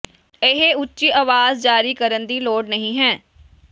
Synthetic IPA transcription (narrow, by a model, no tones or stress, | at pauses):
ɪɦeʊtːʃiːʔaːʋaːzd͡ʒaːɾiːkəɾənd̪iːloːɖnəɦĩːɦɛ̃ː